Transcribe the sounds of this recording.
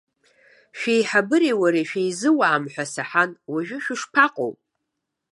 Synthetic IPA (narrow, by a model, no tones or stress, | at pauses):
ʃᶣejħabɨɾewaɾeʃᶣejzɨwaːmħʷᶣasaħanwaʒᶣʊʃᶣɪʂpʰaqʼo̰wpʼ